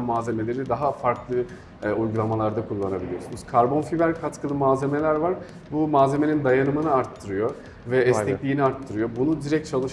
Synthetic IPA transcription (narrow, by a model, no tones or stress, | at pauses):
maːze̞me̞lʲe̞ɾid̪aɦafaɾklˠɯ | ujɡulˠamalˠaɾd̪akʰulˠːanabilʲijosunuz̥kʰaɾbo̞nfivæɾʲkʰat̪kʰɯlˠɯmaːze̞me̞lʲæɾvaɾ | bumaːze̞me̞nind̪ajanɯmɯnɯaɾt̪ʰːɯɾɯjo | vɛɛɛklʲiːniaɾt̪ʰːɯɾɯjo̞bunud̪iɾɛc̚t͡ʃʰalˠɯʃ